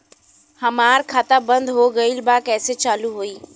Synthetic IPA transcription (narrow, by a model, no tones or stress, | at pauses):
hɐmaːɾkʰaːt̪abɐ̃nd̪ɦoɡɐilbakɛːset͡ɕaːluɦuiː